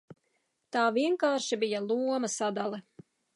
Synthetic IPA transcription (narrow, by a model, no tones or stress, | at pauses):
t̪aːviɛŋkaːɾʃibijalˠuɔmɐsad̪alˠɛ